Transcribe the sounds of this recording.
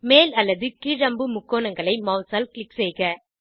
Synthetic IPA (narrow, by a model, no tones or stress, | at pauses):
meːlɐlːɐðɯkiːɾɐmbɯmʊkːoːnɐŋɡɐɭɐɪmɐʊsaːlklɪksɛːɣɐ